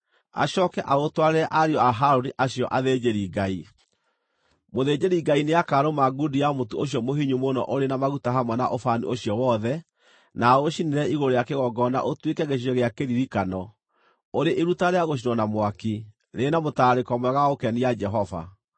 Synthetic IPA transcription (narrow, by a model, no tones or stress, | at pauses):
a̰ɕɔkɛʔaotwaɾeaʔaɾeɔaɦaɾoniʔaɕijɔʔaðed͡ʑeɾiɡai | moðed͡ʑeɾiɡaineakaɾomaɡudiamotuoɕjɔmoɦiɲumonɔ̰ʔoɾenamaɣutaɦamwɛnaʔofanḭʔoɕjɔwɔðɛ | naoʃineɾɛiɣoɾojakeɣɔɡɔna̰ʔotwekɛɣeʃ̬iɔɣeakeɾiɾikanɔ | oɾeʔeɾutaɾeaɣoʃ̬inwɔnamwaki | ɾenamotaɾekɔmwɛɣaokɛnijad͡ʒɛɦɔva̰